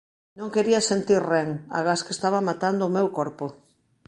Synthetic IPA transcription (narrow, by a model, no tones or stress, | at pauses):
nõŋkeɾiasent̪iɾreŋa̰ɣaskest̪aβamat̪and̪oːmewkoɾpo